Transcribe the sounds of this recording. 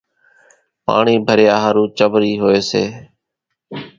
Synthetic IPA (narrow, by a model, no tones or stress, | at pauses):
pa̰ːɳiːbʱəɾɪjaːɦəɾũːt͡ʃəʋɾiːɦoːeːsḛː